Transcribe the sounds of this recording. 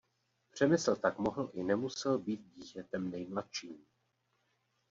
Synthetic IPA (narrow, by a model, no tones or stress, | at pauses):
pr̝̥ɛmɪsl̩t̪akmo̞ɦl̩ʔɪnɛmusɛlbiːt̪̚ɟiːcɛt̪ɛmnɛjmlat̪ʃiːm